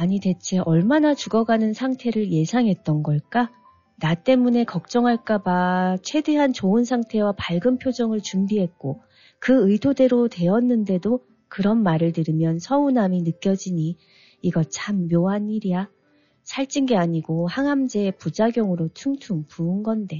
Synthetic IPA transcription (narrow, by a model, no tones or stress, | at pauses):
aɲite̞t͡ɕʰe̞ʔʌɭmanat͡ɕuɡʌɡanɯnsʰaŋtʰe̞ɾɯɭje̞sʰaŋɦe̞t̚t͈ʌnɡʌɭk͈a | nat͈e̞mune̞kʌk̚t͡ɕ͈ʌŋɦaɭk͈abat͡ɕʰwe̞de̞ɦant͡ɕoɯnsʰaŋtʰe̞wapaɭɡɯmpʰjod͡ʑʌŋɯɭt͡ɕumbiɦe̞t̚k͈o | kɯɯdʰode̞ɾotwe̞ʌnːɯnde̞do | kɯɾʌnmaɾɯɭtɯɾɯmjʌnsʰʌunaminɯk͈jʌd͡ʑiɲi | iɡʌt͡ɕʰamːjoɦaniɾija | sʰaɭt͡ɕ͈inɡe̞aɲiɡohaŋɦamd͡ʑe̞ːpud͡ʑaɡjʌŋɯɾotʰuŋtʰuŋpuːnɡʌnde̞